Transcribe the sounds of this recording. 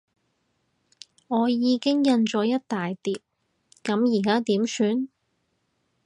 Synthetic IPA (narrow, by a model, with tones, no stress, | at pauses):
ŋɔː˨˧jiː˨˧kɪ˥ŋjɐ˧nt͡ʃɔː˨˧˥jɐ˥t̚t̪aː˨jt̪iː˨p̚ | kɐ˨˥mjiː˨˩kaː˥t̪iː˨˥msyː˨˧n